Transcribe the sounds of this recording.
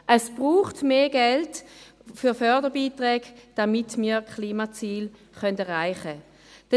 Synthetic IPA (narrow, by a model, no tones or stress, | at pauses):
ʔəsb̥ʁuːχtmeːɡɛlt | fyɐfœɐdəbiːtʁɛːɡd̥amitmiːkχliːmat͡siːl | χœndɛʁaɪχə | d̥ɛ